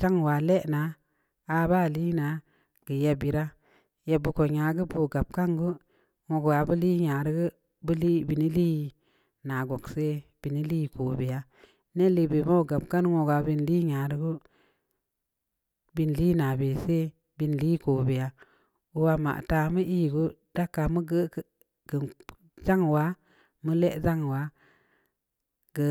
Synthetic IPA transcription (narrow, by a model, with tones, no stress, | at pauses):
t͡ʃa˦ŋwa˨le˦ʔnaː˨˦˧ | ba˦˨li˦na˨˦ | ɡ̥ə˨je˨bi˨ɾa˦ | je˨bu˧ko˨ɲa˨ɡə˦bu˨ɡa˨b̚ka˦ŋɡə˦ | ŋo˨ɡwa˨bə˦li˦ɲa˨ɾi˦ɡə˦ | bə˦li˦bi˨ni˦li˦ | na˨ɡo˨kse˦b̥i˨ni˦li˦˨ko˨be˨ja˦ | ne˦li˨be˨ma˦˨ɡa˨bka˦nŋo˨ɡwa˨bi˨nli˦ɲa˨ɾə˦ɡu˦ | bi˨nli˦na˨be˨se˦ | bi˨nli˦ko˨be˨ja˨˦ | u˦wa˧ma̰˨ʔta˨mə˦ʔi˦˨ɡu˦d̥a˦kːa˨mə˦ɡə˦k | ɡ̥ə˨ | d͡ʒa˦ŋwa˦ | mə˦le˦ʔza˦ŋwa˨˦ | ɡə˨